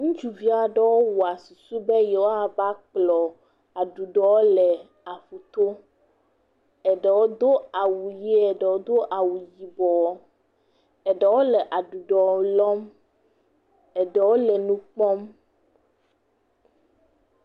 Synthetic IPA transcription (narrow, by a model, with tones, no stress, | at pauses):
ŋũ˦d͡ʒu˨vi˦a˨ɖɛ˦wo˦wo˨a˨su˨su˦bɛ˦jɛ˨wo˦a˨ba˦k͡plɔ˨ | a˨ɖu˨ɖɔ˨wo˦lɛ˨ | a˨ɸu˨t̪o˦ | ɛ˨ɖɛ˨wo˦d̪o˦a˨wu˨ji˦ɛ˨ɖɛ˨wo˦d̪o˦ʔa˨wu˨ji˨bɔ˨w | ɛ˨ɖɛ˨wo˦lɛ˨ʔa˨ɖu˨ɖɔ˨˦lɔ˦m | ɛ˨ɖɛ˨wo˦lɛ˨nũ˦k͡pɔ˦m